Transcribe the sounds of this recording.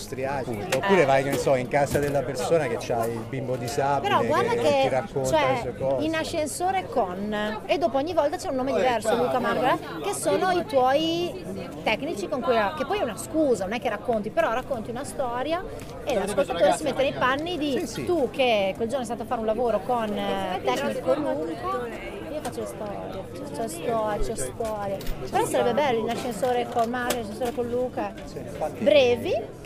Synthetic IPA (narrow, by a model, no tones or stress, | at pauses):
st̪ɾjapːunt̪opuːɾevajkenesɔiŋkazad̪elːapersoːnak̟et͡ʃːailbimbod̪isaːpeɾɔɡward̪akeɾakːont͡ʃ̪oɛsuekɔinaʃːensoːɾekoned̪ːoːpoɔɲːivɔlt̪at͡ʃɛunːoːmed̪ivɛrsoluːkamare | k̟esoːnoit̪wɔj | t̪ɛkːnit͡ʃikoŋkujakepːɔjɛunaskuːzanonɛkːerakːont̪ipeɾɔrːakːont̪iunast̪ɔːɾja | elaskolt̪at̪oːɾesimet̪ːenejpanːid̪it̪ukːekweld͡ʒornoɛst̪at̪oafaɾeũlavoːɾokont̪ɛknikolːuka | iːofat͡ʃːolest̪ɔ̰ːɾjet͡ʃt͡ʃɔst̪ɔɾt͡ʃɔst̪ɔːɾjaeɾɔsaɾɛbːebɛlːoinaʃːensoːɾekonmaɾonaʃẽnsoːɾekonluːka | bɾɛːvi